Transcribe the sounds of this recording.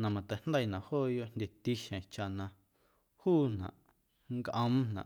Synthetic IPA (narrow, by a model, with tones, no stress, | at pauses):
nã˨mã˨t̪ɛ˨nd̪a˦i˧˨nã˨hoː˦˨jo˧ʔnd̪ʲe˧t̪i˧ʃẽ˨t͡ʃa˧nã˧ | huː˦nã̰˨ʔ | ŋɡʔə̃˧m̃˦nã̰˨